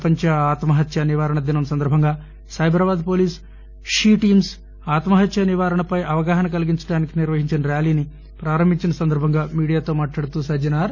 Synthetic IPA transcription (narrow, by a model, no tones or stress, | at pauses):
pɐɲt͡ʃɐaːt̪mɐɦɐt̪jɐniʋaːɾɐɳɐd̪inɐmsɐnd̪ɐɾbʱɐŋɡaː | sɐjbɾɐbaːd̪poːliːs | ʂiːʈiːms | aːt̪mɐɦɐt̪jɐniʋaːɾɐɳɐpɐjʔɐʋɐɡaːɦɐnɐkɐliɡiɲt͡ʃɐɽaːnikiniɾʋɐɦiɲt͡ʃinɐɾjaːliːni | pɾaːɾɐmbʱiɲt͡ʃinɐsɐnd̪ɐɾbʱɐŋɡaːmiːɽijaːt̪o̞ːmaːʈlaːɽt̪uːsɐd͡ʒɐnaːɾ